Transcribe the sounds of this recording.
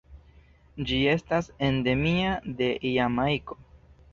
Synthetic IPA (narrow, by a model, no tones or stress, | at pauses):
d͡ʒie̞stase̞nde̞miad̪e̞ʔjamajko̞